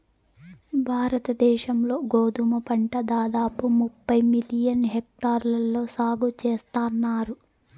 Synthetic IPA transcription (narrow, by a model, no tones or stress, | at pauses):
bʱaːɾɐt̪ɐd̪ɛːʃɐmlo̞ːɡoːd̪umɐpɐɳʈɐd̪aːd̪aːpumupːɐjmilijɐnɦek̚ʈaːɾlɐlːo̞ːsaːɡut͡ʃeːst̪aːnːaːɾu